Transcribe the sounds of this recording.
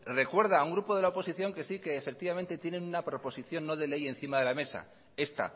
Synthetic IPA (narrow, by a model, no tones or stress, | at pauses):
re̞kwe̞ɾð̞auŋɡɾupo̞ð̞e̞lao̞po̞siθjo̞ŋke̞sike̞ːfek̚t̪iβament̪e̞t̪je̞ne̞nunapɾo̞po̞siθjo̞nːo̞ðe̞le̞jẽ̞n̟θimaðe̞lame̞sa̰ | e̞st̪a̰